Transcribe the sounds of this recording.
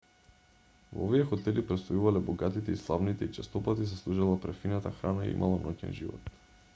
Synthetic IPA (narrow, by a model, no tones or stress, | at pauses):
vo̰oviɛxɔt̪ɛlipɾɛt̪st̪ojuvalɛbɔɡat̪it̪ɛislˠavnit̪ɛit͡ʃɛst̪ɔpat̪is̬ɛslˠuʒalˠapɾɛfinat̪axɾanaḭḭmʔa̰lˠanɔcɛ̰nʒivɔ̰t̪